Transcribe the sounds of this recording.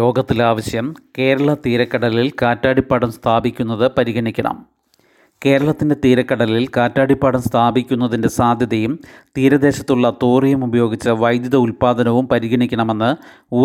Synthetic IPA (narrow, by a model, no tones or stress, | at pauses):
o̞ːɡɐt̪ːilaːʋɐɕjɐmke̞ːɾɐɭɐt̪iːɾɐkːɐɽɐlilkaːtːaːɽipːaːɽɐmst̪ʰaːbikʲːunːɐðɨpɐɾiɣɐɳikʲːɐɳɐ̰m | ke̞ːɾɐɭɐt̪ːinde̞t̪iːɾɐkːɐɽɐlilkaːtːaːɽipːaːɽɐmst̪ʰaːbikʲːun̪ːɐðinde̞saːd̪ʱjɐðɐjumt̪iːɾɐd̪e̞ːɕɐt̪ːuɭːɐt̪uːrijɐmubɐjo̞ːɡit͡ɕːɐʋɐjd̪jɐðɐulpaːd̪ɐnɐʋumpɐɾiɣɐɳikʲːɐɳɐme̞nːɨ | uː